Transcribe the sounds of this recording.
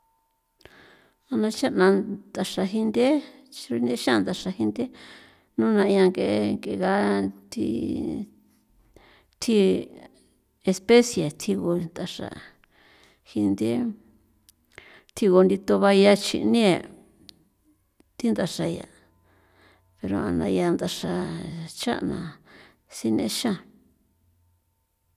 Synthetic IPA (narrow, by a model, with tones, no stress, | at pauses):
a˧nã˧t͡ʃa˦nã˧d̪a˨ʂa˧ɦi˧nd̪e˦˧u˧ne˦ʃã˦˧nd̪a˨ʂa˧hi˧nd̪e˦ | nũ˦˧nã˧ĩ˧ã˧ŋɡe˧ŋɡe˧˨˧ɣa˧˦t̪ʰḭ˧ | t̪ʰi˧ | e˧spe˦sje˨t̪ʰi˧ɣo˧nd̪a˧ʂa̰˧˨ | hi˧nd̪i˦ | t̪ʰi˧ɣo˧nd̪i˧t̪o˧βa˧ja˧t͡ʃḭ˧ʔnĩ˦e˨ | t̪i˦nd̪a˧ʂa˧ja̰˧ | pe˧ɾo̰˧ã̰˧nã̰˧ja˧nd̪a˧ʂa˧t͡ʃa̰˦ʔnã˨ | si˦nḛ̃˧ʃã˦˨